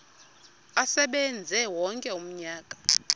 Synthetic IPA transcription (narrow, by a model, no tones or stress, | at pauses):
asɛɓɛnd͡zʱɛwɔŋkʼɛum̩ɲaːk̬ʼḁ